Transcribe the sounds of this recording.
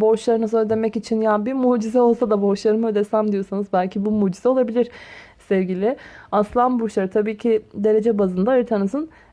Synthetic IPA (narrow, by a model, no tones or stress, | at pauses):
bo̞ʃlˠaɾɯnasoɾd̪e̞mɛcit͡ʃʰinjabimuːd͡ʒizɛo̞lˠsad̪abo̞ʃlˠaɾɯmɯɛd̪esæmd̪ijo̞sanɯzbælʲcʰibumuːd͡ʒizɛo̞lˠabilʲiɾsɛvɟʲilʲɪaslˠanbuʃlˠaɾɯt̪ʰabiːcʰid̪e̞ɾe̞d͡ʒɛbazɯnd̪aɯɾt̪ʰanɯzɯn